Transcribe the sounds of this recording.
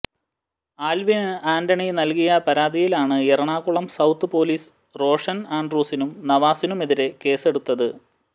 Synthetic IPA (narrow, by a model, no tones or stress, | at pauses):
aːlʋinɨaːndɐɳinɐlkijɐpɐɾaːd̪ijilaːɳɨeɾɐɳaːkuɭɐmsɐwt̪ːɨpo̞ːliːs | ro̞ːʂɐnaːɳɖruːsinumnɐʋaːsinume̞ðiɾe̞ke̞ːse̞ɽut̪ːɐðɨ